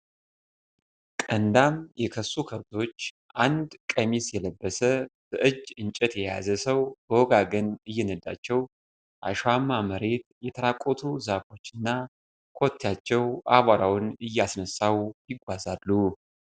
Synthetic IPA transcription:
kʼənd̪amjɛkʰəsːukʰəβt̪ʰo̞t͡ʃː | ʔand̪kʼəmisjɛləbːəsəb̥əʔɨd͡ʒɨnt͡ʃʼɛt̪jɛja̰zəsəwbəwɔɡaɡənɨjːɛnəd̪a̰t͡ʃːɛw | ʔa̰ʃamːaməɾe̞t̪jɛt̪ʰəɾakʼo̞t̪ʰuzafo̞t͡ʃːɨnːa | kʰo̞t̪ʰːjat͡ʃːɛwʔa̰βaɾawʊnɨjːasnəsːawjɪɡʷazalːu

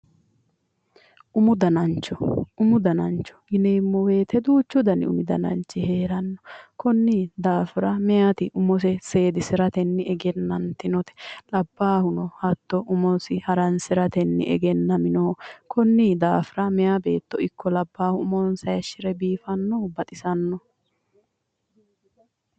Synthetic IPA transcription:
ʔʊmʊd̪ɐnɐnt͡ʃːɔʊmʊd̪ɐnɐnt͡ʃːɔ̥ɡɪneːmːɔwe̞ːt̪ʰɛd̪uːt͡ʃːʊd̪ɐnɪ̰ʊ̰mɪd̪ɐnɐ̰nt͡ʃːɪheːɾɐnːɔ̥kɔnːid̪aːfɪɾɐmɛjat̪ɪʔʊmɔsɛse̞ːd̪ɪsɪɾɐt̪ɛnːɪɛɡɛnːɐnt̪ɪnɔt̪ɛ̥lɐbːaːhʊnɔhɐt̪ːɔʔʊmɔsɪhɐɾɐnsɪɾɐt̪ɛnːɪ̰ʔɛ̰ɡɛnːɐmɪnoːkʰɔnːid̪aːfɪɾɐmɛjabe̞ːt̪ːɔɪkːɔlɐbːaːhʊʊmɔnsɐjɐʃːɪɾɛbiːfɐnːɔbɐt̪ʼɪsɐnːɔ

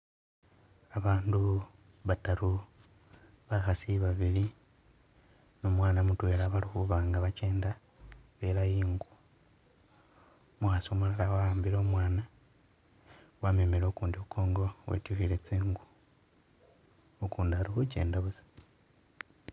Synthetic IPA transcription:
aβaːndu | βataɾu | βaxasiβaβili | nomwaːnamutwe̞ːɾaβalixuβaːŋɡaβaceːnda | βelajiːŋɡu | muxasomolalawaaːmbiɾo̞ːmwaːna | wamemeɾokuːndiukʰo̞ːŋɡo̞wḛtuxilet͡siːŋɡu | okuːndahaɾixuce̞̰ːndaβuzi̥

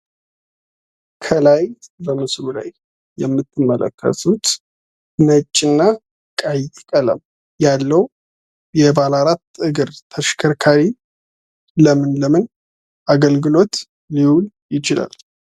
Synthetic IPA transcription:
kʰəlajbəmɨslula̰jː | ɛmːɨt̪ʰːɨmːələ̰kʰːə̰sut̪ | mət͡ʃʼːɪnːa | kʼajtkʼələ̰m | jalːəw | jɛbalaɾat̪ːɨɡɨɾt̪ʰəʃkʰəɾkʰaɾi | ləmɨnləmɨn | ʔaɡəlɡɨlo̞t̪ | liwul | jɪt͡ʃɪla̰l

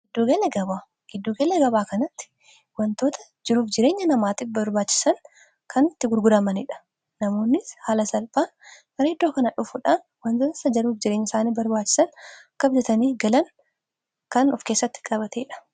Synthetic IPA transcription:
ɡɪd̪ːuːɡɐlɛɡɐbaː | ɡ̥ɪd̪ːuːɡɐlɛɡɐbaːkɐnɐt̪ːɪ̥ | wɐnt̪o̞ːt̪ɐ | d͡ʒɪɾuːfd͡ʒɪɾe̞ːɲːɐnɐmaːt̪iːfbɐɾbaːt͡ʃːɪ̥sɐŋ | kʰɐnt̪ːɪɡʊɾɡʊɾɐmɐnɪᶑɐ̥ | nɐmo̞ːnːɪshaːlɐsɐlbaːmɐɾɐɪd̪ːo̞ːkɐnɐᶑʊfʊᶑaːn | wɐnzɐɐsɐd͡ʒɐɾuːfd͡ʒɪɾeːɲːɐɪsaːniːbɐɾbaːt͡ʃːɪ̥sɐnkːɐbd͡ʒɛt̪ɐniːɡɐlɐn | kɐnɔfkeːsːɐt̪ːɪ̥kʼɐβɐt̪ʰeːᶑɐ̥

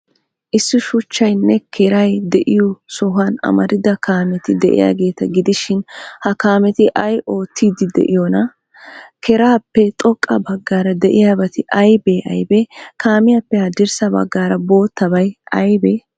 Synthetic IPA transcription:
ʔɪsːʊʃʊt͡ʃːɐjnːɛkʰɛɾɐjd̪ɛʔɪjɔsɔɦɐnɐ̰mɐɾɪd̪ɐkaːmɛt̪ɪd̪ɛʔɪ̰ja̰ːɡe̞ːt̪ɐɡɪd̪ɪʃɪnhɐkaːmɛt̪ɪʔɐjʔo̞ːt̪ʰːiːd̪ɪd̪ɛ̰ʔɪjɔnɐ | kʰɛɾaːpːɛt̪ʼɔkʼːɐbɐɡːaːɾɐd̪ɛʔɪjaːbɐt̪ɪʔɐjbeːʔɐ̰jbɛkaːmɪjapːɛhɐd̪ɪɾsɐbɐ̰ɡːaːɾɐbo̞ːt̪ːɐbɐjɐjbeː

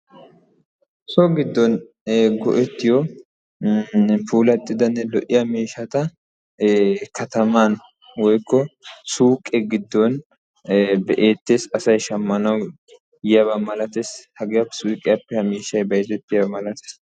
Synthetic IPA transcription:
sɔɡɪd̪ːɔn | ɡɔ̰ʔɛt̪ːɪjɔ | fuːlɐt̪ʼːɪd̪ɐnːɛlɔʔɪjɐmeːʃɐt̪ɐ | kʰɐt̪ɐman | wɔjkːɔsuːkʼːɛɡɪd̪ːɔn | bɛʔeːt̪ːeːsɐsɐjʃɐmːɐnɐw | jɪjɐβɐmɐlɐt̪eːshɐɡɪjɐpːɛ̥suːkʼːɪjɐpːɛɐmeːʃːɐjbɐjt̪ɛt̪ːɪjɐbɐmɐlɐt̪e̥ːs

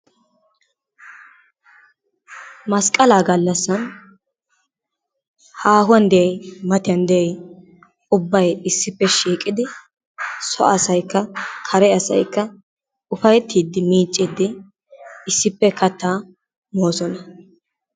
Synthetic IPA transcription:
mɐskʼɐlaːɡɐlːɐsːɐn | haːhʊɐnd̪ɛjɛjmɐt̪ɪjɐnd̪ɛɛj | ʊbːɐjɪsːɪpːɛʃiːkʼɪd̪ɪ | sɔ̰ʔɐsɐjkːɐkʰɐɾɛɐsɐ̰jkːɐ | ʊfɐjɛt̪ːiːd̪ːɪmiːt͡ʃʼːid̪ːɪ | ɪsːɪpːɛkʰɐt̪ːaː | mo̞ːsɔnɐ

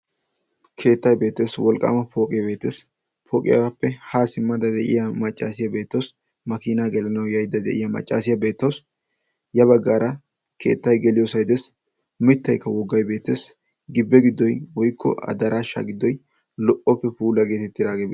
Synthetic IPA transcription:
kʰe̞ːt̪ːɐjbe̞ːt̪ːe̞ːswɔlkʼːa̰ːmɐpʰo̞ːkʼɪjɐbe̞ːt̪ːeːs | pʰoːkʼɪ̰ja̰wapːɛhaːsɪmːɐd̪ɐd̪ɛʔɪ̰jɐmɐt͡ʃʼːaːsɪjɐbe̞ːt̪ːɐws | mɐkiːnaɡɛlɐnɐwjɐjd̪ːɐd̪ɛ̰ʔɪjɐmɐ̰t͡ʃʼːa̰ːsɪjɐbe̞ːt̪ːɐws | jɐbɐɡːaːɾɐ | kʰe̞̰ːt̪ːɐjɡɛlɪjosɐjd̪ɛs | mɪt̪ːɐjkːɐwɔɡːɐjbe̞ːt̪ːe̞ːs | ɡɪbːɛɡɪd̪ːɔjwɔjkʰːɔ̰ʔɐ̰d̪ɐɾʔaːʃːa̰ɡɪd̪ːɔj | lɔʔɔpːɛpuːlɐɡe̞ːt̪ɛt̪ːɪd̪aːɡebe

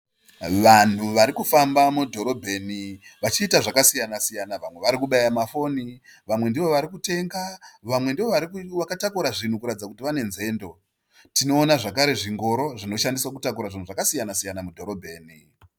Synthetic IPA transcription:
ʋan̤uʋaɾikufambamudʱo̞ɾo̞bʱe̞niʋat͡ʃiːtaʐakasijanasijanaʋamwe̞ʋaɾikuɓajamafo̞niʋamwe̞ndiʋo̞ʋaɾikute̞ŋɡaʋamwe̞ndiʋo̞ʋaɾikʋakatakuɾaʐin̤ukuɾatid͡zakutiʋane̞nze̞ːndo̞ | tino̞ːnaʐakaɾe̞ʐiŋɡo̞ɾo̞ʐino̞ʃandiswakutakuɾaʐin̤uʐakasijanasijanamudʱo̞ɾo̞bʱeːni

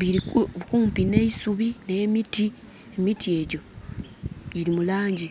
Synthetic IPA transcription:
βiɾikuːmpine̞isuβinemiti | emitie̞ɟo̞ | ɟiɾimulaːɲɟi

